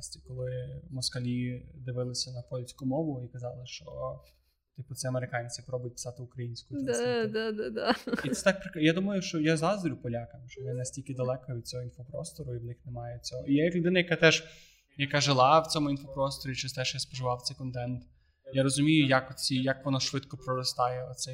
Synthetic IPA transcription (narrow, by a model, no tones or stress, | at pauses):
sʲtʲikɔlˠɪmɔskɐlʲid̪ɪʋɪlˠɪsʲɐnɐpɔlʲsʲkʊmɔʋʊikɐzɑlˠɪʃt͡ʃɔ | t̪ipʊt̪sʲɛɐmeɾɪkɑnʲt͡sʲipɾɔbʊjt̚ʲpɪ̥sɑt̪ɪʊkɾɐjinʲsʲkʊjd̪ad̪ad̪ad̪aiɛt̪ak̚pɾɪkjad̪umɐjʊʃt͡ʃɔjazɑzd̪ɾʲʊpɔlʲakɐmʃt͡ʃɔjnɛnɛsʲtʲilʲkɪd̪ɐlˠɛkɐʋʲid̪̚t͡sʲɔɦɔinfɔpɾɔ̰st̪ɔɾʊiʋnɪxnemɑjɛt͡sʲɔɦɔijɛjɐklʲʊd̪ɪnɐjɐkat̪ɛʒ | jɐkaʒɪlˠɑwt͡sʲɔmʊinfɔpɾɔst̪ɔɾʲit͡ʃɪst̪ɛʃjaspɔʒɪʋɑwt̪sɛjkɔnt̪ɛnt̪ | jaɾɔzʊmʲijʊjakɔt͡sʲijɐkʋɔnɔʃʋɪt̪kɔpɾɔɾɔst̪ɑjɛɔt̪sɛ